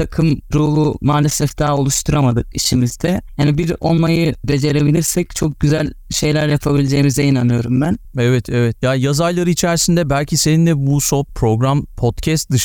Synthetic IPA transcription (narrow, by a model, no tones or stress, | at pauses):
akʰɯmɾuːɦˠumaːlʲesɛfd̪̥aːo̞lˠuʃt̪ʰuɾamad̪ɯk̚iʃimizd̪ɛhanibiɾo̞̰lˠmajɯbe̞d͡ʒe̞ɾe̞bilʲiɾsɛc̚t͡ʃʰo̞k̚ɟyzælʲʃe̞jlʲæɾjapʰabilʲed͡ʒe̞ːimizɛinanɯjo̞ɾumbænɛvɛt̪ʰɛvɛt̪jajazaɾlˠaɾɯit͡ʃʰæɾsind̪ɛbælʲcʰise̞nind̪ɛbusopʰɾo̞ɡɾampʰot̪cʰɛst̪̚d̪ɯʃ